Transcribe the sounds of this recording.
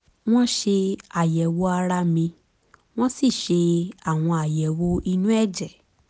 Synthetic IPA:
w̃ɔ̃˦ʃe˧a˨jɛ˨wo˧˦a˧ɾa˧mĩ˧ | w̃ɔ̃˦si˦˨ʃe˧a˦˨w̃ɔ̃˧a˨jɛ˨wo˧˦i˧nũ˦ɛ˦˨d͡ʒɛ˨

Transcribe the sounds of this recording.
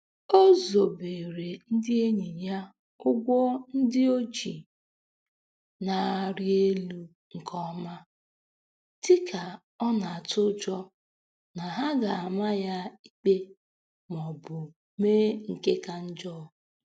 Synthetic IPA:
o˦zo˨be˨ɾe˨n̩˦dɪ˦e˦ɲi˨ja˦ | ʊ˦ɡʷɔ˦n̩˦dɪ˦o˦t͡ʃi˨ | na˨ɾi˦e˦lu˦ | ŋ̩˨kʰɔ˦ma˦ | tɪ˦kʰa˨ | ɔ˦na˨a˨tʊ˦d͡ʒɔ˦ | na˨ɦa˦ɡa˨a˨ma˦ja˦i˦k͡pe˦ | mɔ˨bʊ˨ | meː˦ŋ̩˨ke˦ka˨n̩˦d͡ʒɔ˦˨

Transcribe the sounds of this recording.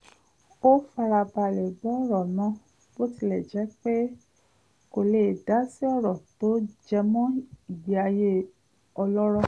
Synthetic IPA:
o˦fa˧ɾa˧ba˧˨lɛ˨bɔ˦ɔ˦˨ɾɔ˨nã˨˦ | b̥o˦ti˧˨lɛ˨d͡ʒɛ˨˦k͡pe˦ | ko˨le˨da˨˦si˦ɔ˦˨ɾɔ˨to˨˦d͡ʒɛ˧mɔ̃˦i˨bi˨˦a˧je˦ | ɔ˧lɔ˦ɾɔ˧˨

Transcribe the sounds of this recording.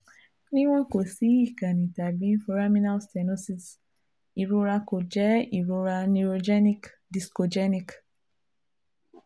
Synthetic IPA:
nĩ˦w̃ɔ̃˦ko˨si˨˦i˦˨kã˨nĩ˨ta˨bĩ˨˦fo˧ɾa˦mĩ˦na˦lsta˨no˦si˨s | i˨ɾu˧ɾa˧ko˨d͡ʒɛ˨˦i˨ɾu˧ɾa˧nu˧ɾo˧d͡ʒɛ˦ni˦k | di˨sko˧d͡ʒɛ˦nĩ˨k

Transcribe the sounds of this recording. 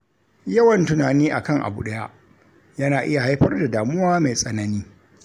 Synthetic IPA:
jɐ˦wɐ˨ntʊ˦naː˨niː˦ʔa̰˨kɐ˦ŋʔa̰˨bṵ˦˨ɗɐ˦ja̰˦ʔ | jɐ˦naː˨ʔɪ˦ja˨ha˦jɸɐ˦rda˨daː˨mʊ˦waː˦ma˨jsʼɐ˨nɐ˦niː˦

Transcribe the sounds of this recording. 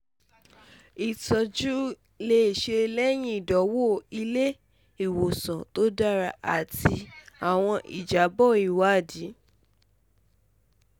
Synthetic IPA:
i˨tɔ˨d͡ʒu˦ | le˧i˨ʃe˧lɛ˦j̃ĩ˦i˨dɔ˨˦wo˦˨i˧le˦ | i˦˨wo˨sã˨to˦da˦ɾa˧ʔa˨ti˧a˨w̃ɔ̃˧ʔḭ˨d͡ʒa˨˦bɔ˦˨i˨wa˨˦˨di˨˦

